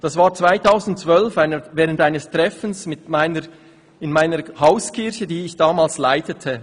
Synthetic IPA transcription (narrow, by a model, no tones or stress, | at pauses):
d̥asvaːʁt͡sv̥aɪtʰaʊsn̩tt͡svœlfaɪnəvɛːʁəntʔaɪnəstʁɛfn̩smɪtmaɪnə | ɪnmaɪnəhaʊskʰɪʁçədiːɪçd̥aːmaːlslaɪtətʰə